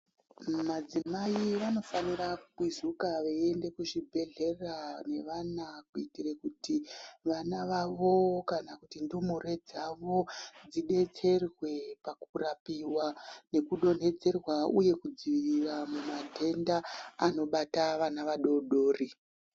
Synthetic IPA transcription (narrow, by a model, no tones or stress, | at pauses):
mad͡zimaiʋano̞fanirakuizukaʋee̞nde̞kuʐibʱe̞ɮe̞rane̞ʋanakuitirekutiʋanaʋaʋo̞kanakutindumure̞d͡zaʋo̞d͡ziɗe̞t͡se̞rwe̞pakurapiwane̞kuɗo̞n̤e̞d͡ze̞rwauje̞kud͡ziʋiriramumadʱe̞ndaːno̞ɓataʋanaʋaɗo̞ɗo̞ːri